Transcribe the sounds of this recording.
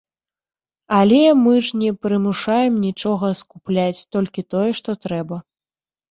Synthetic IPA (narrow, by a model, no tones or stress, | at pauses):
alʲɛmɨʐnʲɛpɾɨmuʂajɛmnʲit͡ʂɔɣɐskuplʲat͡sʲt̪ɔlʲkʲit̪ɔjɛʂt̪ɔt̪ɾɛbɐ